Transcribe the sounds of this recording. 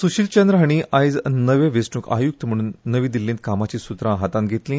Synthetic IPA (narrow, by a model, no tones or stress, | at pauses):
suɕiːlt͡ɕand̪ɾəɦaɽ̃iʔajd͡znəʋẽʋesʈũːka̰juk̚t̪əm̤əɽ̃uːnːəʋĩːd̪ilːẽnt̪̚kamat͡ɕiːsut̪ɾãɦat̪ãnt̪ɡʱet̪lĩ